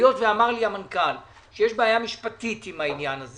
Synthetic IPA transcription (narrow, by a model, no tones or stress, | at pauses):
jo̞tveamaʁliamankal | ʃejeʃbeːjamiʃpatit̪imainjanaze